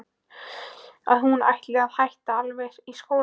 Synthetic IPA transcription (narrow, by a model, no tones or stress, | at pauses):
a̰ðhuna̰jht̪lɪaðhajht̪aalvɛjɾ̥iskoːw